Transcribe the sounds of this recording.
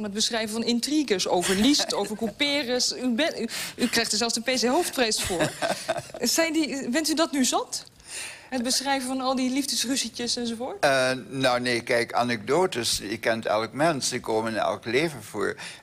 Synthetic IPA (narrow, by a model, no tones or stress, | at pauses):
nət̚bəsχrɛjvənvɔnɪntriɡəsowvəɹlistowvəɹkupɪːrəsybɛykrɛjxtəɹzɛlˠfsdəpeːseɦowft̚prɛjsfʊːɹ | sɛjndifɪntydɔtnyzɔnt | ɦət̚bəsχrɛjvənfɔnɔlˠdilivdəsrysicəsɛnzovoːtnɔwneːkɛjka̰nɛɡ̚doːtəsɪkːɛntɛ̰lˠkmɛnsɪkːoːmənnɛ̰lˠkleːvəv̥o̰ːɹ